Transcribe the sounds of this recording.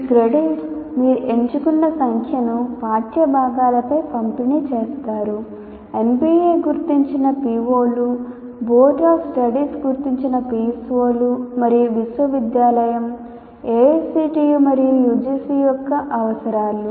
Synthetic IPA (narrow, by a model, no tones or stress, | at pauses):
kɾeɖiʈmiːɾuʔe̞ɲt͡ʃukunːɐsɐŋkʰjɐnupaːt̪jɐbʱaːɡaːlɐpɐjpɐmpinit͡ʃeːst̪aːɾu | e̞nbiːeːɡuɾt̪iɲt͡ʃinɐpiːʋoːlu | boːʈaːfsʈɐɽiːsɡuɾt̪iɲt͡ʃinɐpiːsʋoːlumɐɾijuʋiswɐʋid̪jaːlɐjɐm | eːesiːʈiːjumɐɾijujud͡ʒisijɔkːɐʔɐʋɐsɐɾaːlu